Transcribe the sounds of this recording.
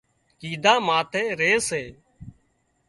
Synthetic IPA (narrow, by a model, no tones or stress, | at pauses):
kiːd̪aːmaːt̪ʰeːɾeːseː